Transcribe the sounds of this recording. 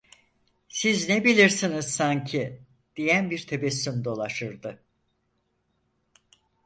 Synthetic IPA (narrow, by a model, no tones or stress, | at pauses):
siznebilʲiɾsiniz̥saɲcʰi | d̪̥ijænbiɾt̪ʰebɛsːymd̪o̞lˠaʃɯɾd̪ɯ